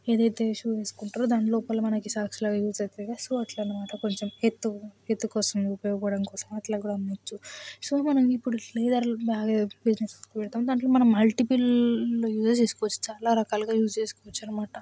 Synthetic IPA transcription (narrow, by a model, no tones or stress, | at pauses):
eːd̪ɐjt̪e̞ːʃuːeːsu̥kuɳʈaːɾoːd̪aːɳloːpɐlomɐnɐkisaːkslaːɡaːjuːd͡ʒɐt̪eːɡasuɐʈlɐnːɐmaːʈɐko̞ɲt͡ʃemet̪ːuet̪ːukɔːsɐmupɐjɔːɡɐpɐɽɐnkɔːsɐmɐʈlaɡuːɽɐnɐt͡ʃːusumɐnɐmipːuɽuliːd̪ɐɾbaːɡɐbid͡ʒneskʋɛɭt̪aːund̪aːɳʈloːmɐnɐmːɐlʈipilloːjuːd͡ʒɐt͡ʃeːsu̥kɔʋɐt͡ʃːu̥t͡ʃaːlaːɾɐkaːlɡaːjuːd͡ʒt͡ʃe̞ːsukɔʋɐt͡ʃːaːnɐmaːʈɐ